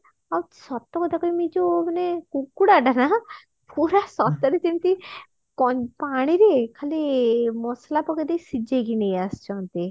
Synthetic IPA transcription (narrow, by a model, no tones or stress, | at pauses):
awt̪sɔt̪ːɔkɔd̪akɔimid͡ʒomanekukːuɽaʈana | pʰuɾasɔt̪ɔɾet̪int̪i | kɔpaɽ̃iɾekʰalimɔslapɔɡed̪ejsid͡ʒeɡinejast͡ʃʰɔnt̪i